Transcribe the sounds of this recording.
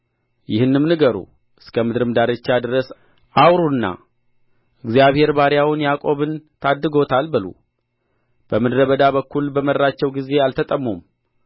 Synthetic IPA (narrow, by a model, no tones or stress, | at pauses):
jɪhɨnːɨmnɨɡəɾṵ | ʔɨskʰəmɨd̪ɾɨmd̪aɾet͡ʃːad̪ɨɾəs | ʔawɾunːa̰ | ʔɨɡzijaβhe̞ɾbaɾjawʊnjakʼo̞βɨnt̪ʰad̪ːɨɡo̞t̪ʰalbɨlṵ | b̥əmɨd̪ɾəβəd̪abəkʰːulbəməɾːat͡ʃːɛwɡize̞alt̪ʰət̪ʼəmːum